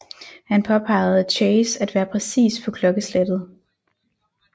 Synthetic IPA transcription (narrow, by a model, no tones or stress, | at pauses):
hænpʰɒ̽pʰɑ̈ɪ̰ð̩ˠt͡ɕʰeɪsæd̥ʋæːɐpʰʁɛsḭːsfʰɒ̽kʰlɒ̽ɡ̥əsled̥ð̩ˠ